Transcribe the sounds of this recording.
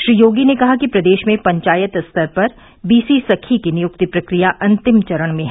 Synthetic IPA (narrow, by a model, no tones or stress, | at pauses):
ʃɾiːjoːɡinekɐɦakipɾɐd̪eːʃmẽpɐ̃ɲt͡ʃaːjət̪st̪ʰəɾpɐɾ | biːsisɐkʰːikinɪjʊk̚t̪ipɾɐkɾijaʔɐ̃nt̪ɪmt͡ʃɐɾəɽ̃mẽɦ